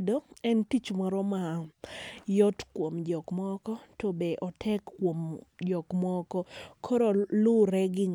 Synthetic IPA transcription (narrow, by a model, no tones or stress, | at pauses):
doɛntit͡ʃmaɾɔma | jɔtkwomd͡ʒɔkmɔkɔtɔbeʔɔtʰɛkːwomd͡ʒɔkmɔkɔkʰoɾolʊɾɛɡɪŋ